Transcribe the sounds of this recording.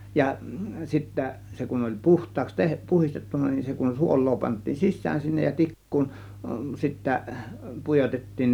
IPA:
jɑ sitːæ se kun olʲ puhtˑɑːks teh puhistetːunːɑ nin se kun suolˑoː pɑntˑiːn sisˑæːn sinːej jɑ tikːuːn sitːæ pujotetːiːn

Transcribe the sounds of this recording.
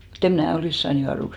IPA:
mut em̆ mnæˑ oliˑs sɑːn juɑruks

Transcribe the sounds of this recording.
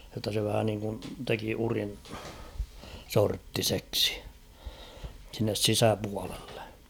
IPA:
jotːɑ se ʋæhæ niŋkun teki urin sortːiseksi̥ sinːes sisæpuɑlelːe̥

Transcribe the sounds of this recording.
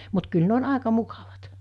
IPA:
mut kyl ne on ɑˑekɑ mukɑʋɑt

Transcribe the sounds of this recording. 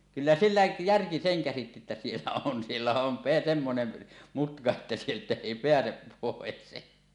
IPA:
kylːæ silːæ jærki seŋ kæsitːi etːæ sielːæ on sielːæ on pe semːonen mutkɑ etːæ sieltæ eˑi peæsep poˑes

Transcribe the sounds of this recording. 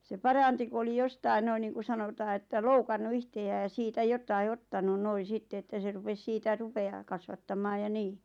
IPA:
se pɑrɑnti ku oli jostɑi noin niːŋku sɑnotɑː etːæ loukɑnːu ihteæː jɑ siːtæ jotɑi ottɑnu noi sitːe etːæ se rupes siːtæ rupeɑː kɑsʋɑtːɑmˑɑːj jɑ niː

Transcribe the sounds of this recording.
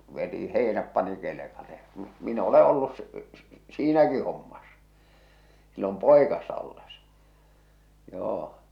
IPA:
ʋeti heˑi̞næp pɑni kelekɑle j̊ɑ̥ m min o̝le olːus s s siːnæki homːɑs silːom poˑikɑsːɑ olːes joː

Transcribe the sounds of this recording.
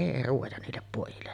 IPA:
eˑi ruojɑ niːlːep poˑijilːes

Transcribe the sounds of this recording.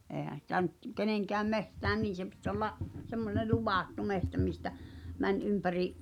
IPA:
eːhæn̞ sitæ nyt keneŋkæːm mehtæːn niːn̞ se pit olːɑʔ semːone luʋɑˑtːu mehtæ mistæ mæn ympæriʔ

